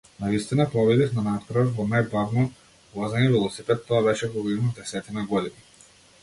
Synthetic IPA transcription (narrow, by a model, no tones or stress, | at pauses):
navist̪inapɾɔvɛd̪ifnanat̪kɾɔɔɾvɔnajbavnɔ | vˠazaɲɛvɛlˠɔsipɛt̪ːɔabɛʃɛvɔɡinɔd̪ɛsɛt̪inaɡɔd̪ini